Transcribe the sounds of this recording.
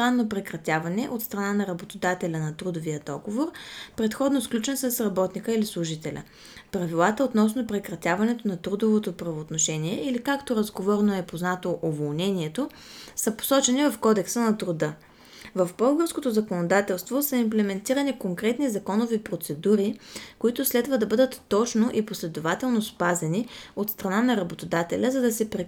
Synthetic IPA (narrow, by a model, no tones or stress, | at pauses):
sɾanːopɾɛkɾɐt̪ʲjavɐnɛʔot̪st̪ɾɐnanɐɾɐbot̪od̪at̪ɛlʲənɐt̪ɾud̪oviəd̪ɔ̰ɡovoɾpɾɛt̪xɔd̪nosklʲut͡ʃɛnəsəsɾɐbɔt̪nikəilislˠʊʒit̪ɛlʲʔə̰ | pɾɐvilˠat̪əot̪nɔsnopɾɛkɾɐt̪ʲjavɐnɛt̪onɐt̪ɾud̪ovot̪opɾɐvoːt̪noʃɛniɛilikakt̪oɾɐzɡovɔɾnoɛpoznat̪oʔovolˠnɛniɛt̪o | səpo̥sɔt͡ʃɛnivɐfkɔd̪ɛksənɐt̪ɾod̪ɤ | vɐvbɤlˠɡəɾskot̪ozɐkonod̪at̪ɛlˠst̪vosəimplɛmɛnt̪iɾənikoŋkɾɛt̪nizɐkɔnovipɾot̪sɛd̪uɾikoit̪ʊslɛd̪vəd̪ɐbɤd̪ət̪ːɔt͡ʃnoʔiposlɛd̪ovat̪ɛlˠnospazɛniot̪st̪ɾɐnanɐɾɐbot̪od̪at̪ɛ̰lʲəzɐd̪ɐsɛpɾɛ